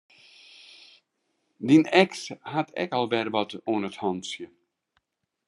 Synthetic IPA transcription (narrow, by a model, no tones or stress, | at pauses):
dinɛkshatʰɛ̰kɔlˠbɛrbɔtuənəthɔnsjə